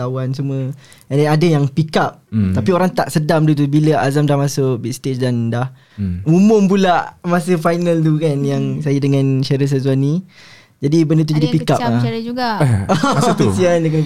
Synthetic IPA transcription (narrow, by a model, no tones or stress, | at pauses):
awansumuə | adanadəjaŋpikap̚t̪apioɾaŋt̪aʔsədamt̪ut̪̬ubiləazamdahmasʊʔbɛk̚st̪et͡ʃdandah | umʊmp̬ulaʔmasəfajnalt̪̬ukanjaŋsajadəŋãnʃaɾəs̬az̬uanĩ | d͡ʒadibəndət̪ud͡ʒadipikap̚laɾd͡ʒuɡaat̪isiandək̬ənə